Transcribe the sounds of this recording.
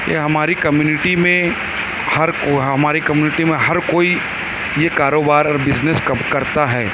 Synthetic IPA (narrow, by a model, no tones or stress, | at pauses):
jḛɦɐmaːɾikɐmjuːnɪʈimẽ | hɐɾkoɦɐmaːɾikɐmjuːnɪʈimẽɦɐɾkoːi | jekaːɾoːbaːɾɔːɾbɪd͡ʒneskɐkɐɾt̪aɦɛː